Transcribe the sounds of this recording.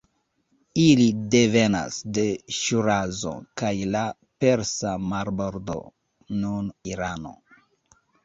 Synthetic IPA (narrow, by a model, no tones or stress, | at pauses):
ilide̞ve̞na̰sde̞ʃuɾazo̞̰kajla | pe̞ɾsamaɾboɾdo̞̰ | nuniɾano̞̰